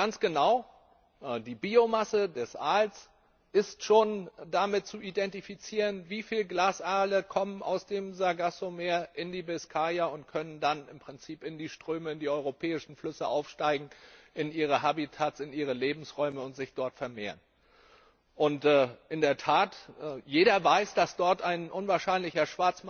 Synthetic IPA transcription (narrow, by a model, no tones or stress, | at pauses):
ɡ̥ant͡sɡ̥ənaʊ | ʔdiːbiːomasədɛsʔaːls | ʔɪstʃoːndamɪt̚t͡suʔidɛntifit͡siːʁənviːfiːlɡlaːsʔaːləkʰɔmənʔa̰ʊsd̥eːmzaɡasomeːɐʔɪndiːbɛskʰaːjaʊntkʰœnəndanɪmpʁ̥ɪnt͡siːpɪndiːʃtʁ̥øːməɪndiːɔʏʁopʰɛːɪʃn̩flʏsəʔaʊfʃtaɪɡŋ̩ʔɪnʔiːʁ̞əɦabitʰaːtsɪniːʁ̞əleːbm̩sʁɔʏməʊntz̥ɪçd̥ɔɐtfɛɐmeːɐn | ʔʊntːʔɪndeːɐtʰaːtːjeːɾɐvaɪsd̥asd̥ɔɐtʔaɪnʔʊnvaːɐʃaɪnlɪçɐʃv̥aɐt͡sm